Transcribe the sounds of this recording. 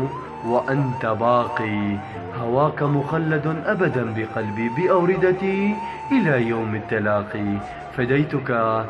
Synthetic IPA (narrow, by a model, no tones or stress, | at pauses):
waʔant̪abɑːqiː | hawaːkamʊxalːad̪ʔabad̪anbɪqɑlbiːbɪʔawɾɪd̪at̪i | ʔɪlaːjawmat̪ːalaːqiː | fad̪ajt̪ʊka